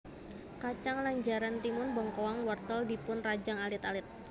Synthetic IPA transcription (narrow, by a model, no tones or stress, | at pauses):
kat͡ʃaŋlaɲd͡ʒaɾant̪imʊnbɔŋkowaŋwɔrt̪əldipʊnrad͡ʒaŋalɪt̪alɪt̪̚